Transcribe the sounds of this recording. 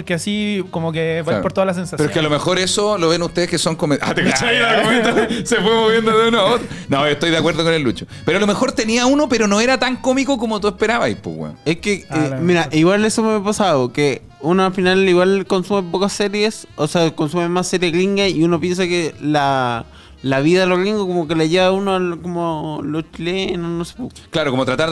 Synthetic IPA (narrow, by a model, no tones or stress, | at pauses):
poɾkeasikomokeaj̰poɾt̪oðalas̬ensaspeɾoekealomexo̞ɾesoloβenut̪eðekesoŋkomeʔa̰t̪ekat͡ʃajealɣoment̪osefwemoβjend̪oðeunoaot̪ɾonoot̪o̞jðeakweɾðokonelːut͡ʃopeɾoalomexoɾt̪eniaunopeɾonoeɾat̪aŋkomikokomot̪uehpeɾaβajpṵɣwḛehkeemiɾaʔiɣwalesomapasaðoke | unoafinaliwalko̞nsumep̬okasːeɾjesoseakonsumemasːeɾjeɣliŋɡaiunopje̞ns̬akela | laβiðaðeloɣliŋɡokomok̬elejeβaunoalkomolost͡ʃilenosnosepoko̥klaɾokomot̪ɾat̪aɾ